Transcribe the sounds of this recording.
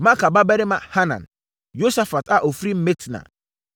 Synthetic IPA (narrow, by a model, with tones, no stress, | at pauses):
mã˦ka˨ba˦bɛ˦ɾɪ˦mã̰˨ha˦nã̰˨n | jo˦sa˦fa˨tʰa˨ʔo˨fɾi˦m̩˦me˦tnã̰˨